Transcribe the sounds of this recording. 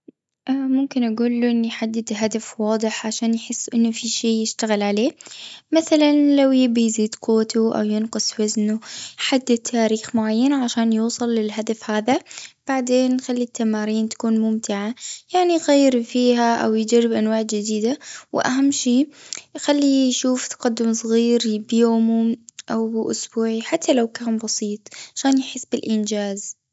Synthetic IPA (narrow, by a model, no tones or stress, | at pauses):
ʔamʊmkɪnʔaɡuːlːuʔɪnːijħad̪ːɪd̪ɦad̪afwɑːd̪ˤɨħʕaʃaːnjħɪsːʔɪnːʊfiʃeːjɪʃt̪aɣɪlʕaleːmaθalanlawjɪbijziːd̪qʰʊwːat̪ʊʔa̰wjɪnqɨsˤwaznʊħad̪ːɪt̪ʰːaːɾiːxmʊʕajːanaʕaʃaːnjuːsˤɑlːɪlɦad̪afhaːðab̥aʕd̪eːnxalːit̪ʰːamaːɾiːnt̪ḁkuːnmʊmt̪ɪʕajaʕniɣajːɪɾfiːhaʔa̰wjɪd͡ʒarːɪbʔanwaːʕd͡ʒɪd̪iːd̪awɪ̰ʔaɦamːʃiːxalːijʃuːft̪ḁqɑd̪ːʊmsˤɣiːɾbjoːmʊʔawbɪʔʊsbuːʕiħat̪ːalawkaːnbɑsiːt̪ˤʕaʃaːnjħɪsːbɪlʔɪnd͡ʒaːz